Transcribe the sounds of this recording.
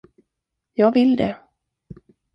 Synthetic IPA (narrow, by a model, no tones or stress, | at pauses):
jɑːɡvɪld̪ɛ